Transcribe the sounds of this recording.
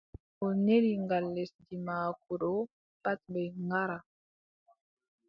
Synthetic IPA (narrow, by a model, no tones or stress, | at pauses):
oneliŋɡalːɛsdimak̚uɗo | patbɛŋɡaɾa